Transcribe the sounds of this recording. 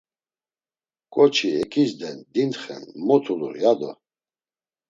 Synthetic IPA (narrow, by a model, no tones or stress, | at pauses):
kʼɔt͡ʃʰiɛkʰʼizd̪ɛnd̪int̪χɛ̰nmɔt̪ʰuluɾiad̪ɔ̰